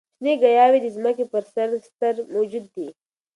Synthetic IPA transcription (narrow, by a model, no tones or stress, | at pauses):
sneɡɐjaːwid̪izmɐkipɐɾsɐɾst̪ɐɾmod͡ʒud̪ːi